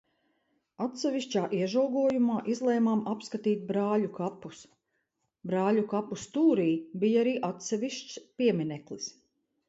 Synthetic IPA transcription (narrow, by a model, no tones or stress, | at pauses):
at̪sɛviʃt͡ʃaːʔiɛʒawɡuɔjumaːʔizlˠɛjmamapskat̪iːt̪̚bɾaːʎʲukapus | bɾaːʎʲukapust̪uːɾiːbijaɾiːʔat̪sɛʋiʃt͡ʃspiɛminɛklˠis